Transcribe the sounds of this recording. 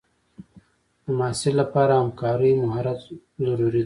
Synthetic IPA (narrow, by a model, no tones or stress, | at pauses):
d̪̥əmaːsilapɑːɾaamkɑːɾijmʊɦaɾat̪ | zaɾuɾid̪